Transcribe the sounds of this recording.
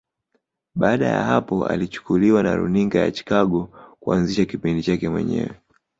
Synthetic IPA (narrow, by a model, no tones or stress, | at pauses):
ɓaːɗaja̰hapɔa̰lit͡ʃu̥kuliwanaɾṵniŋɡaja̰t͡ʃi̥kaɠɔkuanziʃakipindit͡ʃakɛmwɛ̰ɲɛ̰wɛ